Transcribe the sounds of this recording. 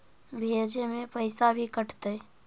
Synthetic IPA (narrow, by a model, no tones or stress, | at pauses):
bʱeːd͡ʒemẽpəɪsabʱikəʈʰt̪e